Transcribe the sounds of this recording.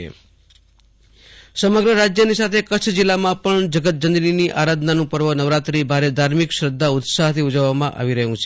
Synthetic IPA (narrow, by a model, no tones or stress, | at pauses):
ḛ | səməɡɾəɾad͡ʒjənisat̪ʰekət͡ʃʰd͡ʒɪlːamãpəɳd͡ʒəɡət̪̚d͡ʒənd̪ɾiniʔaɾad̪ʱnanũpəɾʋənəʋɾat̪ɾibʱaɾed̪ʱaɾmikʃɾəd̪ʱːaʊt̪saɦt̪ʰiud͡ʒəʋːamãʔa̰ʋiɾəɦũt͡ʃʰe